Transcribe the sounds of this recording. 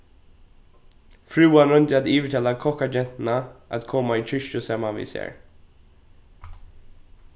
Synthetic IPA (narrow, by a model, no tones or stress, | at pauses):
fɾʉːanɾɵnt̪ɪat̪iːvəʈ̪ʰɛlakʰɔkad͡ʒɛnt̪naʔat̪kʰɔmːaiːt̪ʰɾʏʃʊsɛmːaʋḭːsḛːɹ